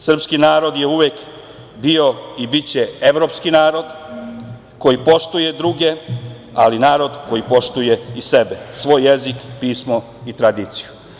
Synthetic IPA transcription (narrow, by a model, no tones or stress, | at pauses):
sr̩pskinaːɾo̞d̪je̞uʋek | bio̞ibit͡ɕe̞e̞ʋɾo̞ːpskinaːɾo̞d̪ | ko̞jipo̞ʃt̪uje̞d̪ɾuɡe̞ | alinaːɾo̞d̪ko̞jipo̞ʃt̪uje̞ise̞besʋo̞ːjːe̞zikpiːsmo̞ | it̪ɾad̪iːt̪si̥ju